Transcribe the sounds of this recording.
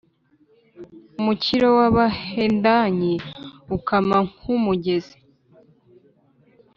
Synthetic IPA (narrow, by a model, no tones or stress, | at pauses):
umuciɾowaβahendaɲeukamaŋumuɟe̞ze̥